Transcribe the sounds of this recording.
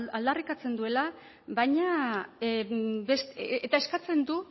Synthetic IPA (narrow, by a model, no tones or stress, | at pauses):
ald̪arikat͡se̞nd̪ue̞la | bajɲa | best̪et̪ae̞skat͡se̞nd̪u